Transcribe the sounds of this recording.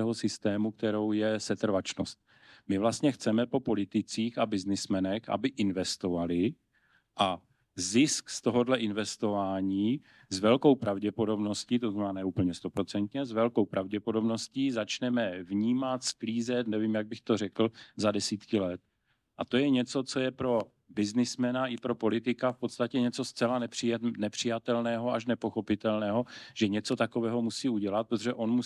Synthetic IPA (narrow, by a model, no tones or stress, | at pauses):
ɛɦo̞sɪst̪ɛːmukt̪ɛɾo̞wjɛsɛt̪r̩vat͡ʃno̰st̪̚ | mɪvlast̪ɲɛxt͡sɛmɛpo̞po̞lɪt̪ɪt͡siːxabɪznɪsmɛnɛxʔa̰bɪʔɪnvɛst̪o̞valɪ | ʔa | zɪskst̪o̞ɦo̞dlɛʔɪnvɛst̪o̞vaːɲiː | zvɛlko̞wpɾavɟɛpo̞do̞bno̞sciːt̪oznamɛnaːnɛuːpl̩ɲɛst̪o̞pɾo̞t͡sɛnt̪ɲɛzvɛlko̞wpɾʔavɟɛpo̞do̞bno̞sciːzat͡ʃnɛmɛvɲiːmat̪skliːzɛt̪nɛvimjaɡ̚bɪxt̪o̞r̝ɛkl̩zadɛsiːt̪kɪlɛt̪̚ | ʔat̪o̞jɛɲɛt͡so̞t͡so̞jɛpɾo̞ | bɪznɪsmɛnaʔɪpɾo̞po̞lɪt̪ɪkafpo̞t̪st̪acɛɲɛt͡so̞st͡sɛlanɛr̥ɪnɛpr̝̥ɪjat̪ɛlnɛːɦo̞ʔaʃnɛpo̞xo̞pɪt̪ɛlnɛːɦo̞ʒ̥ɛɲɛt͡so̞t̪ako̞vɛːɦomusiːuɟɛlat̪̚pɾot̪oʒɛʔo̞nmu